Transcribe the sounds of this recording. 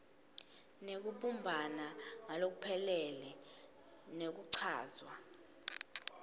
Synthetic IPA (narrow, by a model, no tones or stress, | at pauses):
nek̬uɓumbʱanaŋalok̬upʰɛlɛlɛ | nek̬uǀʰa̰ːzwa